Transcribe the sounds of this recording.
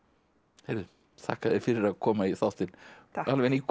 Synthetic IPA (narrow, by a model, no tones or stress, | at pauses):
hejɾvðʏ | θa̰hkaðɛɾ̥fɪɾɪɾaðkʰɔːmaiθawht̪ɪnalvɛnik